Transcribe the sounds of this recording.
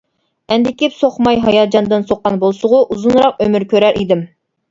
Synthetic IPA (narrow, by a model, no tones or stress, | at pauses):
ɛnd̪ɪkʲipsoχmɑjɦɑjɑːd͡ʒɑnd̪ɨnsoqːɑnbolˠsʊʁʊʔuzunɾɑq̚ømyɾkʲøɾæɾʔid̪ɪm